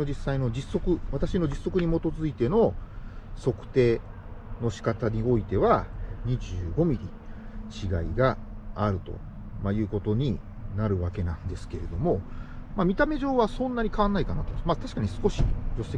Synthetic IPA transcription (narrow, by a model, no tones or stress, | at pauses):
o̞d͡ʑisːaino̞d͡ʑisːo̞kɯ̟βat̪aɕino̞d͡ʑisːo̞kɯ̟ɲ̟imo̞t̪o̞zɨit̪e̞no̞ | so̞kɯ̟̥t̪e̞ː | no̞ɕi̥kat̪aɲ̟io̞it̪e̞βaɲ̟iʑɨːɡo̞mʲiɾʲi | t͡ɕiɡaiɡaːɾɯ̟t̪o̞̰ | majɯ̟ːko̞t̪oɲ̟i | naɾɯ̟βake̞nãnd̪e̞sɨ̥ke̞ɾe̞d̪o̞mo̞mamʲit̪ame̞ʑo̞ːβasõ̞nːaɲ̟ikaβanːaikanat̪omat̪aɕi̥kaɲ̟isɨ̥ko̞ɕid͡ʑo̞se